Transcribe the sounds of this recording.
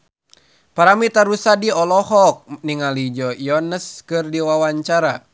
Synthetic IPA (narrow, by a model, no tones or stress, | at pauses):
paɾamit̪aɾusadiɔlɔhɔk̚niŋalid͡ʒɔjɔɦanəskɨrdiwawaɲt͡ʃaɾa